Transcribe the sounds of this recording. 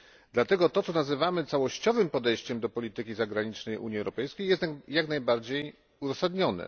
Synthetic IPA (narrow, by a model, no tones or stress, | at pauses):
d̪lat̪ɛɡɔt̪ɔt̪sɔnazɘvamɘt̪sawɔɕt͡ɕɔvɘmpɔd̪ɛjt͡ɕɛmd̪ɔpɔlʲit̪ɘkʲizaɡɾaɲit͡ʂnɛjʔṵɲiɛwɾɔpɛjskʲejɛst̪jaknajbaɾd͡ʑej | uzɔsad̪ɲɔnɛ̰